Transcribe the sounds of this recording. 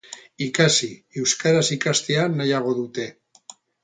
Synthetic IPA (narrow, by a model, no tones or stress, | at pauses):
ikasiewskaɾasikast̪eanːajaɣ̞o̞ðut̪e̞